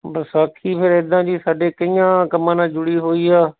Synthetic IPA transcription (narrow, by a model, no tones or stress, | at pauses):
bəsaːkʰiːpʰɪɾɪd̪ãːd͡ʒiːsaːɖeːkəijãːkəmãːnãːd͡ʒʊɽiːɦoːiːaː